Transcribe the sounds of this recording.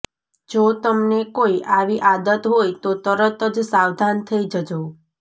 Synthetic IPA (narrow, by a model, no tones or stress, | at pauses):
d͡ʒot̪əmnekoiʔaʋiʔad̪ət̪ɦojt̪ot̪əɾət̪əd͡ʒsawd̪ʱant̪ʰəid͡ʒəd͡ʒo